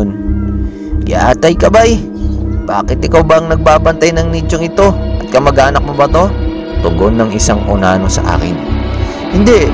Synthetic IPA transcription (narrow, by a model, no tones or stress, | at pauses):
n | ja̰ʔa̰ːt̪ɐjkɐbaj | b̥aːkɪt̪ɪkawbɐɐŋnɐɡ̚baːbɐnt̪ajnɐŋnit͡ʃoŋɪt̪o̞ʔɐt̪̚kɐmɐɡʔaːnɐk̚mobɐt̪o̞ | t̪ʊɡonːɐŋɪsaŋʔʊnaːnosɐ̰ʔa̰ːkɪn | hɪnd̪ɛʔ